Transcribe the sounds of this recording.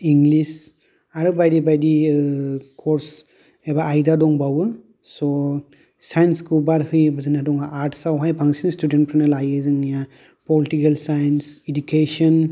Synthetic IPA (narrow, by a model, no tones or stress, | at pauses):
iŋɡlis | aɾɯbajdibajdi | kʰɔɾs | ebaːjdadɔŋbawɯ | sɔ | sajnskʰuwbaɾhɯjbazanadɔŋaʔaɾtsawɦajbʰaŋsinstuden̚pʰɾanalajɯzɯŋija | pɔlitikalsajnsed͡ʒukesɔn